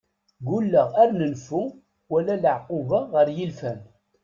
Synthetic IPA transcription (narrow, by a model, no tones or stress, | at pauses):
ɡulːəʁæɾnənfu | wælæləʕqʊvaʁəɾjilfæn